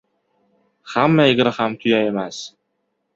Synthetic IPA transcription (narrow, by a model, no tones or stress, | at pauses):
χæmːæiɡɘ̆ɾχamt̪ʰyjæjmæs